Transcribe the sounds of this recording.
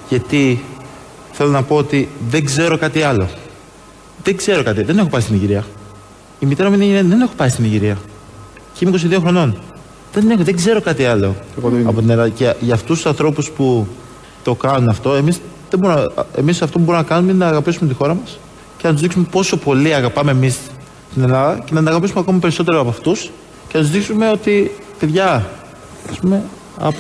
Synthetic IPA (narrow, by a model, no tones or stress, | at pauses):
ʝɐt̪i | θe̞lo̞nɐpo̞ot̪iðe̞ŋɡze̞ɾo̞kɐt̪iɐlo̞ | ðeɡze̞ɾo̞kɐt̪iðene̞xo̞pɐist̪iniʝiɾiɐ | imit̪eɾɐminiʝiɾiɐðe̞ne̞xo̞pɐist̪iniʝiɾiɐ | ceimeiko̞siðio̞xɾo̞no̞n | ðe̞ne̞xoðe̞ɡze̞ɾo̞kɐt̪iɐlo̞ɐpo̞t̪ineɾɐðceʝɐːft̪ust̪u̥sɐnθɾo̞puspu | t̪o̞kɐnunɐft̪o̞e̞misðebo̞ɾunemisɐft̪o̞puboɾunɐkɐnunmeinenɐːɣɐpisume̞t̪ixo̞ɾɐmɐs | ce̞nɐt̪uzðiksume̞po̞so̞po̞liɐɣɐpɐme̞ːmis | st̪ine̞lɐðɐce̞nɐt̪nɐɣɐpisumeɐko̞mɐpe̞ɾiso̞t̪̬e̞ɾoɐpɐft̪us | cenɐt̪uzðiksume̞o̞t̪i | peðʝɐ | ɐspume̞ | ɐ̰p